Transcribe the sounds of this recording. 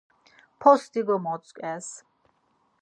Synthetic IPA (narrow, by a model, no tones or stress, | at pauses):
pʰɔst̪iɡɔmɔsʼkʼɛs